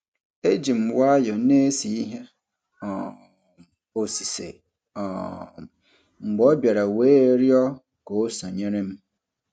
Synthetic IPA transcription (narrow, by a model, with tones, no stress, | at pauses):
e˦d͡ʑĩ˨m̩˨wɔ˦jɔ˨nẽ˦e˦si˨i˦ɦɛ˦ | ɔ˨ | o˨si˨sḛ˨ | ɔ˨ | m̩˨ɡ͡bɔ˦ba˨ɾa˨we˦ɾi˦ɔ˦ | ko˨˦sã˨ɲɛ̃˦ɾɪ̃˦m˦